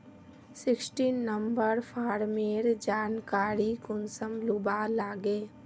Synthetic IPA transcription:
sɪksʈiːnːəmbəɾpʰaːɾmeːɾd͡ʒaːnkaːɾikʊnsəmlʊbalaːɡeː

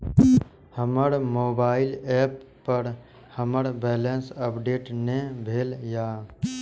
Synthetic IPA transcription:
həməɾmoːbaːɪlɛːpː | əɾ | həməɾbɛːlensəpɖeːʈnẽbʱeːljaː

